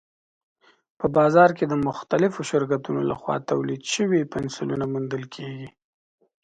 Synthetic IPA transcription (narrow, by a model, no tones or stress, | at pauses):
pəbɑzɑɾked̪əmʊxt̪alɪfoʃɪɾkat̪unola̰xwɑ̰t̪awlid̪ʃəwipɪnsulunamund̪əlkʰeɡi